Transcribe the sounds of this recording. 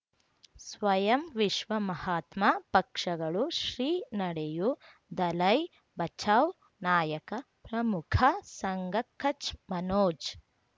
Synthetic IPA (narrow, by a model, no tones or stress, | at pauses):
sʋɐjɐmʋiʃʋɐmɐhaːt̪mapɐkʂɐɡɐɭuʃɾiːnɐɽeju | d̪ɐlɐj | bɐt͡ʃʰaːw | naːjɐkɐ | pɾɐmukʰɐsɐŋɡɐkʰːɐt͡ʃmɐnoːd͡ʒ